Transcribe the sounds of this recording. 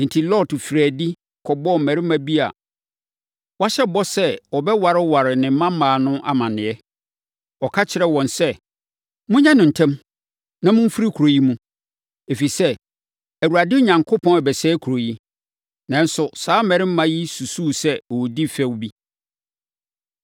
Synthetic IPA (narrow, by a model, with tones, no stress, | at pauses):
n̩˨tʰi˨lɔ˦˨tfɾæː˨di˦ | kʰɔ˨bɔ˦m̩˨mɛ˨ɾɪ̃˦m˦mã˦bi˦a̰˨ | wa˦ɕɛ˦bɔ˦sɛ˦ɔ˨bɛ˦wa˨ɾɪ˦wa˨ɾɪ˨nɪ̃˨m˦mã˦mãː˨nʊ̃˦ʔa̰˨mã˨nɪ̃˨ɛ˦ | ɔ˨kʰa˦t͡ɕʰɪ˨ɾɛ˨wɔ̃˨nsɛ˦ | mʊ̃˦ɲã˦nʊ̃˨n̩˨tʰɛ̃˦m | nã˦˨mʊ̃˦m̩˦fu˦ɾi˦kʰu˨ɾo˨ji˦mũ˦ | e˨fi˨sɛ˦ | æ˨wu˨a˨dɪ˦ɲã˨ŋkʰʊ˦pʰɔ̃˦nɛ˨bɛ˨sɛː˦kʰu˨ɾo˨ji˦ | nã˨n̩˦sʊ˨saː˨˦mɛ̃˨ɾɪ˦m̩˦mã˦ji˦su˨suː˦˨sɛ˦ɔ˨di˦fɛ˦wbi˦